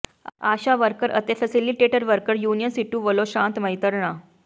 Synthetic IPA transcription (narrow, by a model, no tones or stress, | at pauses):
aɕaʋəɾkəɾə̰t̪efəsiliʈeʈəɾʋəɾkəɾjunijənsiʈũːʋəloɕãnt̪məjt̪əɾɳa